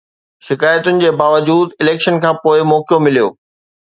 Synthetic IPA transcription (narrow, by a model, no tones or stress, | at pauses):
ʃɪkaːjət̪ʊnɪ̆d͡ʑeːbaːʋəd͡ʑuːd̪ɪleːkʃənkʰãːpoːɪmɔːkjomɪlijo̰ː